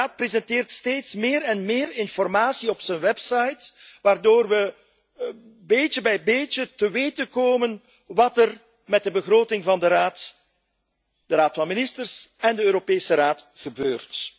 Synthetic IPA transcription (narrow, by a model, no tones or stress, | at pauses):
aːt̚prezɛntɪːrtsteːtsmɪːɾɛnmɪːɾɪnfɔrmaːsiɔpsənʋɛpsɑjtʋaːrdoːrʋə | beːt͡ʃəbɛjbeːt͡ʃətəʋeːtənkoːmən | ʋɑtər | mɛt̚dəbəɣroːtɪŋvɑndəɾaːt | d̥əɾaːtfɑnmɪnɪstərsɛndəøːɾopeːsəɾaːtxəbøːrt